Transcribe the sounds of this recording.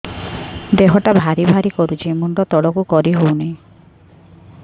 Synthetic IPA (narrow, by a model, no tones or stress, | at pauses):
d̪eɦɔʈabʱaɾibʱaɾikɔɾut͡ʃʰimuɳɖɔt̪ɔɽɔkukɔɾiɦownaĩ